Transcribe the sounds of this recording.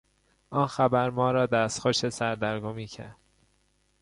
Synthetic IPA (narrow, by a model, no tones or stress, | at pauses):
ʔɒːnxæbæɾmɒːɾɒːd̪æːst̪xoʃesæɾd̪æɾɡomiːcʰæ̰ɾd̪̥